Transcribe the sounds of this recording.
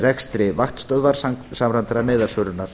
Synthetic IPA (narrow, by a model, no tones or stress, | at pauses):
ɾɛkst̪ɾɪvaxt̪st̪œðvaɾ̥ssamɾant̪ɾaneːðaɾ̥sœːɾʏnːaɾ̥